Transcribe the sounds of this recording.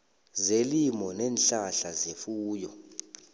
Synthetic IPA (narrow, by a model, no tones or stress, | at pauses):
zelimɔnɛːnɬaɬazefuːjɔ